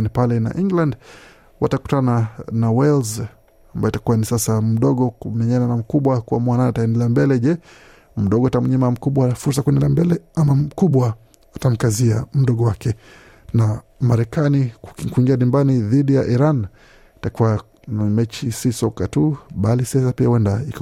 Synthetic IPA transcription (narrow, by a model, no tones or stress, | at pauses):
nipalɛna̰ʔiŋɡland | wa̰taku̥tananawɛlz | ambajɔitakuwanisasam̩ɗɔɠɔkumɛɲananam̩kuɓwakuamuwananaataɛndɛlambɛlɛʄɛ | m̩ɗɔɡɔatamɲamam̩kuɓwafuɾsakuɛndɛlambɛlɛamam̩kuɓwa | atam̩kaziam̩ɗɔɠɔwakɛ | namaɾɛkanikuiŋɡianimbaniðiɗijaʔiɾan | itakuwa | namɛt͡ʃisisɔkatuɓalisɛsapiawɛndaik